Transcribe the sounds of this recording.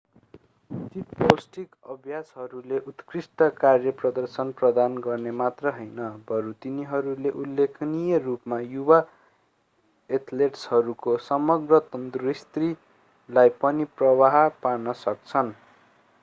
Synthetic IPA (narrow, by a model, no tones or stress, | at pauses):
ut̪it̪̚posʈikʌbʱjasɦʌɾuleʔut̪krisʈʌkarjʌprʌd̪ʌrsʌnprʌd̪anɡʌrnemat̪rʌɦʌjnʌbʱʌɾut̪iniɦʌɾuleʔulːekʰnijʌrupmajuba | et̪ʰleʈshʌɾukosʌmʌɡrʌt̪ʌnd̪uist̪ri | lajpʌniprʌwaɦpanʌsʌk̚t͡sʰʌn